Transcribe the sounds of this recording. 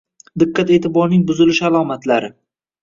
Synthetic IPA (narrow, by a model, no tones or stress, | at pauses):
d̪ɪqːat̪e̞ːt̪ʰɪbɒɾnɪŋbʊzɪlɪʃalˠɒmat̪ʰlaɾɪ